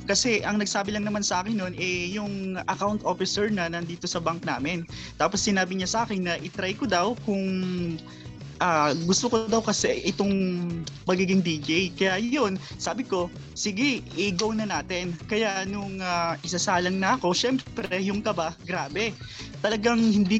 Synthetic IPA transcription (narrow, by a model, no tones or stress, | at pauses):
kɐsɛʔɐŋnɐɡsaːbɪlɐŋnɐmansɐʔaːkɪnːonʔɛjʊŋʔɐkawnt̪ʔoːfɪsɛɹnɐnɐnd̪iːt̪o̞sɐbaŋk̚na̰ːmɪnt̪aːposːɪnaːbɪɲasɐʔaːkɪnːɐʔɪt̪ɾajkod̪ɐwkʊŋ | ʔaːɡʊst̪okod̪ɐwkɐsɛʔɪt̪o̞ŋmɐɡiːɡɪŋd̪id͡ʒɛjkɐjajonsaːbɪko̞ | sɪɡɪɪɡownɐnaːt̪ɪnkɐjaʔnʊŋaʔɪsɐsaːlɐŋnɐʔɐko̞ʃɛmpɾɛjʊŋkɐbaɡɾaːbɛ | t̪ɐlɐɡaŋhɪnd̪iː